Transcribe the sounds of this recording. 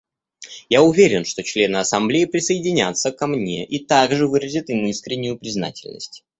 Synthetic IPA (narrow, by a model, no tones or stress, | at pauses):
jaʊvʲeɾʲɪnʂt̪o̞t͡ɕlʲe̞nɨɐsɐmblʲejːɪpɾʲɪsəɪdʲɪnʲa̰t̪səkɐmnʲe̞̰ʔit̪aɡʐɨvɨɾəzʲɪt̪imuiskɾʲɪnʲːʊjʊpɾʲɪzna̰tʲɪlʲnə̰sʲtʲ